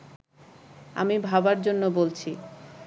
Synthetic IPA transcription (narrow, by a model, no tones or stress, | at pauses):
a̰mibʱabaɾd͡ʑonːobolt͡ɕʰi